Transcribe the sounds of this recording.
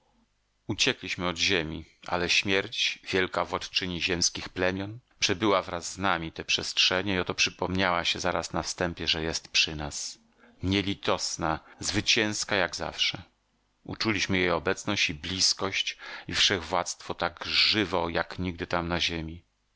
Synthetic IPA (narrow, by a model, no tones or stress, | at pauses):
ut͡ɕɛklʲiɕmɘɔd̪ʑemʲiʔa̰lɛɕmʲjɛɾt͡ɕvʲjɛlkavwat̪t͡ʂɘɲiʑɛmskʲixplɛmʲjɔnpʂɛbɘwavɾazːnamʲit̪ɛpʂɛstʂɛɲɛiɔt̪ɔpʂɘpɔmɲawaɕɛzaɾasnafst̪ɛmpʲjɛʐɛjɛst̪pʂɘnas | ɲɛlʲit̪ɔsnazvɘt͡ɕɛ̃w̃skajaɡza̰fʂɛ | ṵt͡ʂulʲiɕmɘjejɔbɛt̪snɔɕt͡ɕiblʲiskɔɕt͡ɕifʂɛɣvwat̪st̪fɔt̪aɡʐɘvɔjakɲiɡ̚d̪ɘt̪amnaʑemʲi